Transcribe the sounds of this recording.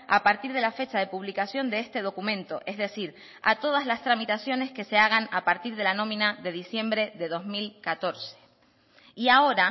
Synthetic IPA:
apaɾt̪iɾðe̞lafe̞t͡ʃaðe̞puβlikasjo̞nd̪eest̪e̞ð̞o̞kumẽ̞nt̪o̞ʔe̞zðe̞siɾ | a̰t̪o̞ð̞azlast̪ɾamit̪asjo̞ne̞ske̞se̞aɣ̞anapaɾt̪iɾð̞e̞lanõ̞mĩnaðe̞ð̞isje̞mbɾe̞ðe̞ðo̞zmilkat̪o̞ɾse̥ | iao̞ɾa

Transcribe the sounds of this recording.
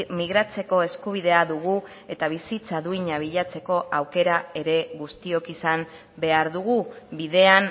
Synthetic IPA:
miɣɾat͡se̞ko̞e̞skuβ̞iðe̞aðuɣu | e̞t̪aβ̞isit͡saðuiɲaβ̞iʎat͡se̞ko̞ʔawke̞ɾae̞ɾe̞ɣust̪io̞kisam | be̞aɾðuɣubiðe̞an

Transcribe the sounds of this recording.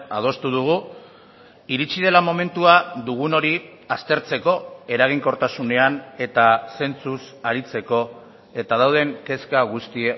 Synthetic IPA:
a̰ð̞o̞st̪uð̞uɣ̞u | iɾit͡sið̞e̞lamo̞me̞nt̪uaðuɣ̞uno̞ɾi | ast̪e̞ɾt͡se̞ko̞e̞ɾaɣ̞iŋko̞ɾt̪asune̞ane̞t̪ase̞nt͡sus | aɾit͡se̞ko̞ | e̞t̪aðawð̞e̞ŋke̞skaɣ̞ust̪ie

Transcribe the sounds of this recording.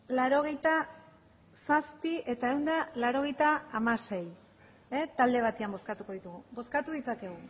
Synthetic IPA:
laɾo̞ɣ̞e̞jt̪a | saspiʔe̞t̪ae̞wnd̪alaɾo̞ɣ̞e̞jt̪aːmase̞j | et̪ald̪e̞β̞at̪eambo̞skat̪uko̞ð̞it̪uɣubo̞skat̪uðit͡sake̞ɣ̞u

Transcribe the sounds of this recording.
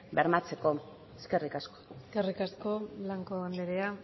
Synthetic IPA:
beɾmat͡se̞ko̞ | eske̞rikasko̥eskerikasko̞laŋkoɣand̪eɾea

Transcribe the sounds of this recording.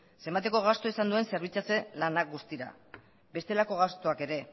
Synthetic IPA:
se̞mbat̪e̞ko̞ɣ̞ast̪o̞isand̪ue̞nse̞ɾβ̞it͡sat͡se̞lanak̚ɡust̪iɾa̰ | be̞st̪e̞lako̞ɣast̪o̞ake̞ɾe̞

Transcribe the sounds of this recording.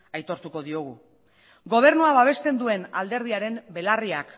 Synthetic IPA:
ajt̪o̞ɾt̪uko̞ðio̞ɣ̞u | ɡo̞β̞e̞ɾnuaβaβ̞e̞st̪e̞nd̪ue̞nald̪e̞ɾð̞iaɾe̞mbe̞lariak

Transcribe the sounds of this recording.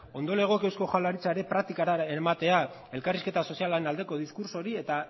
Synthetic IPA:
o̞nd̪o̞le̞ɣ̞o̞kewsko̞xalaɾit͡saeɾe̞pɾak̚t̪ikaɾaemat̪e̞a | e̞lkariske̞t̪aso̞sialaenald̪e̞ko̞ð̞iskuɾso̞ɾie̞t̪a

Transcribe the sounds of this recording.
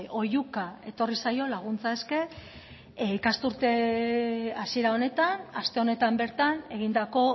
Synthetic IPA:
o̞jukae̞t̪o̞risajo̞laɣ̞unt͡sae̞ske̞ | ikast̪uɾt̪e̞ | asie̞ɾao̞ne̞t̪anast̪e̞one̞t̪ambe̞ɾt̪ane̞ɣ̞ind̪ako̞

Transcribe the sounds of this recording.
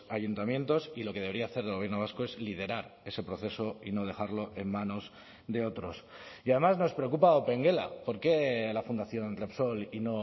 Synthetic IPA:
ajunt̪amjẽ̞nt̪o̞silo̞ke̞ð̞e̞β̞ɾiaːθe̞ɾðelɣ̞je̞ɾnoβaskoe̞zlið̞e̞ɾaɾe̞se̞pɾo̞θe̞so̞ino̞ð̞e̞xaɾlo̞ʔe̞mmãno̞s | d̪e̞o̞t̪ɾo̞siað̞e̞mazno̞spɾe̞okupaope̞ŋɡe̞la̰po̞ɾke̞lafund̪aθjo̞nt̪ɾepso̞lino̞

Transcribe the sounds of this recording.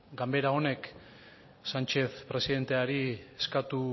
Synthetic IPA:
ɡambe̞ɾao̞ne̞k | sant͡ʃe̞θpɾe̞siðe̞nt̪e̞aɾieskat̪u

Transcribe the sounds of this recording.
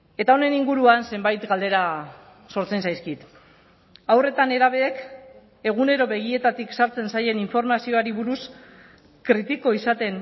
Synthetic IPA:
e̞t̪ao̞ne̞niŋɡuɾuanse̞mbajt̪ɡald̪e̞ɾa | so̞ɾt͡se̞nsajskit̪ | awre̞t̪ane̞ɾaβ̞e̞ːk | e̞ɣ̞une̞ɾo̞βe̞ɣ̞ie̞t̪at̪iksaɾt͡se̞nsaje̞niɱfo̞ɾmasio̞aɾiβuɾus | kɾit̪iko̞isat̪e̞n

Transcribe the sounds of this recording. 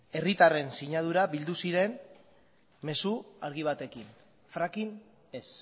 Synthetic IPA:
e̞rit̪are̞nsiɲað̞uɾaβild̪usiɾe̞n | me̞suaɾɣiβ̞at̪e̞kin | fɾakin | e̞s

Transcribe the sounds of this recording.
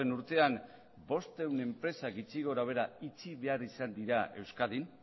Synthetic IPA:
enuɾt̪e̞am | bo̞st̪e̞wne̞mpɾe̞saɡit͡siɣo̞ɾawe̞ɾait͡siβe̞aɾisand̪iɾae̞wskaðin

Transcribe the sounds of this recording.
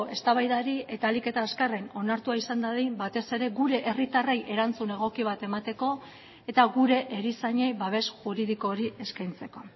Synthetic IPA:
e̞st̪aβajðaɾie̞t̪aːlike̞t̪aːskare̞no̞naɾt̪uaisand̪aðejbat̪e̞se̞ɾe̞ɡuɾe̞ʔerit̪are̞jʔe̞ɾant͡sune̞ɣ̞o̞kiβ̞at̪e̞mat̪e̞ko̞ | e̞t̪aɣuɾe̞ʔeɾisaɲe̞jβaβ̞e̞sʝuɾiðiko̞ːɾiʔe̞skajnt͡se̞ko̞

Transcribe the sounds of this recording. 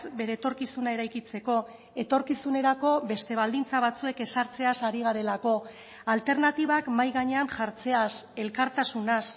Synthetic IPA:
be̞ɾe̞ːt̪o̞ɾkisunae̞ɾajkit͡se̞ko̞ | e̞t̪o̞ɾkisune̞ɾako̞βe̞st̪e̞β̞ald̪int͡saβ̞at͡sue̞ke̞saɾt͡se̞asaɾiɣ̞aɾe̞lako̞ | alt̪e̞ɾnat̪iβakmajɣaɲeanʝaɾt͡se̞ase̞lkaɾt̪asunas

